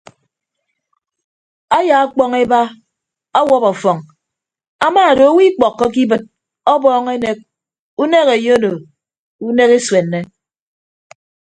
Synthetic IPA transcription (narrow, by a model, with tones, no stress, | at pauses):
a˦ja˨a˦k͡pɔ˦ŋe˦ba˦ | ɔ˦wɔ˦pɔ˨fɔ˨ŋ | a˦maː˦˨do˨˦wi˦k͡pɔ˨kːɔ˦k̬i˦bɨ˦t̚ | ɔ˦bɔː˦ŋe˦ne˦k̚ | u˦ne˦ke˨jo˦no˨ | u˦ne˦ke˦swe˨nːe˦